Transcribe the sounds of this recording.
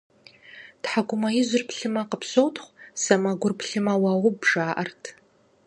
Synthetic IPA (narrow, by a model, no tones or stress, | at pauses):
tħaɡʷʊmɐjɪzʷʊrpɬɨmɐqəpsowtʰχʷsɐmɐɡʷʊrpʰɬɨmɐwɐʁʷʊbʐaːʔɐrtʰ